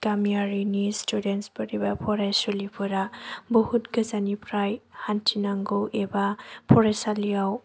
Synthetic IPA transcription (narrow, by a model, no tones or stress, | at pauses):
kamijaɾinistudentsbɔɾibapʰɔɾajsulipʰuɾabɔhutɡazanipʰɾajhantʰinaŋɡowʔebapʰɔɾesalijaw